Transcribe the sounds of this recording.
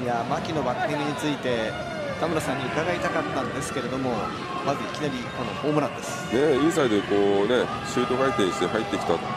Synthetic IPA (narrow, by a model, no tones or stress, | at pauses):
jamakʲino̞bakːẽŋʲiɲ̟it͡sɨit̪e̞ | t̪amɯ̟ɾasãɲ̟ːiɯ̟k̪aɡait̪akat̪ːãnd̪e̞sɨ̥ke̞ɾe̞d̪o̞mo̞ | mazɨikʲinaɾʲikono̞ho̞ːmɯɾãnd̪e̞sɨ̥ne̞isaid̪e̞ko̞ːne̞ | ɕɨːt̪o̞ɡait̪ẽɕit̪ehait̪ːekʲi̥t̪at̪o